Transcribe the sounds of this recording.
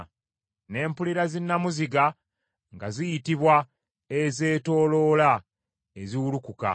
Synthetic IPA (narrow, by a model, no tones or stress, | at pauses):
ne̞ːmpuliɾazinːamuziɡa | ŋɡazijitiβwa | eze̞ːto̞ːlo̞ːla | eziwulukuka̰